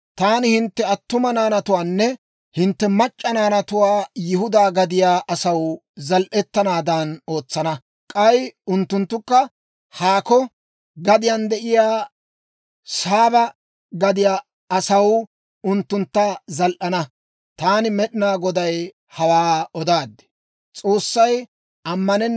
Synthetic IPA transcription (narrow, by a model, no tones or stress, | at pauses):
t̪aːnɪhɪnt̪ːɛɐt̪ːʊmɐnaːnɐt̪ʊwaːnːɛ | hɪnt̪ːɛmɐt͡ʃʼːɐnaːnɐt̪ʊwaːjɪɦʊd̪aːɡɐd̪ɪjaːʔɐsɐwzɐlʔɛt̪ːɐnaːd̪ɐno̞ːt͡sːɐnɐ | kʼɐjʊnt̪ːʊnt̪ːʊkːɐ | haːkɔ | ɡɐd̪ɪjɐnd̪ɛʔɪjaː | saːbɐ | ɡɐd̪ɪjaː | ɐsɐw | ʊnt̪ːʊnt̪ːɐzɐlʔɐnɐ | t̪aːnɪmɛɗɪnaːɡɔd̪ɐj | hɐwaːɔd̪aːd̪ːɛ̥ | t͡sʼo̞ːsːɐj | ʔɐmːɐnɛnː